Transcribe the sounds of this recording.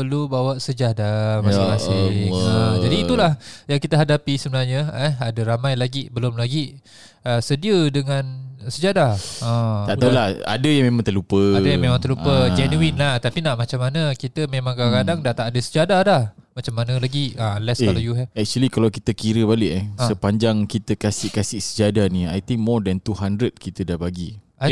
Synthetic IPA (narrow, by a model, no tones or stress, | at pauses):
pəlubawaʔsəd͡ʒadamasŋmasɪad͡ʒadiːulahjaŋkit̪əɦadapisəbənarɲəəadəɾamãjlaɡibəlʊmlaɡi | əsədiədəŋansəd͡ʒadaəaʔt̪aulaha̰dəjaŋmemãŋt̪əlupəadajamẽmãŋt̪əlupəd͡ʒɛnuinlaht̪apinaʔmat͡ʃamːanəkit̪əmẽmãŋkakadaŋdat̪aʔadəsəd͡ʒadadahmat͡ʃamːanəlaɡianlɛsalajuɦɛvɛk̚t͡ʃuəlikalawkit̪əkiɾəbalɪʔəsəpaɲd͡ʒaŋkit̪əkasɪʔkasɪʔsəd͡ʒadanĩajt̪ĩŋk̚mɔdɛ̃nt̪uɦandɾəd̚kit̪ədahbaɡiʔa